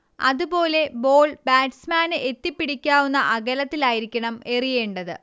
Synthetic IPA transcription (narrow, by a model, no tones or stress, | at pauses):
ɐ̰ðubo̞ːle̞bo̞ːɭbaːʈsmaːnɨʔet̪ːipːiɽikʲːaːwunːɐʔɐɣɐlɐt̪ːilaːjiɾikʲːɐɳɐme̞rije̞ːɳɖɐðɨ